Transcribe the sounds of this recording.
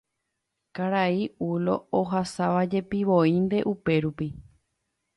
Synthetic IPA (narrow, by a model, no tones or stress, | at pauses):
kaɾaiulo̞̰oɦasaʋad͡ʒe̞piʋoind̪e̞ʔupe̞ɾupi